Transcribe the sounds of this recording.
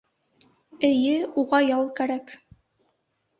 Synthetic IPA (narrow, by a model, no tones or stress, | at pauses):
ɘ̆jɘuʁɑjɑlˠkæɾæk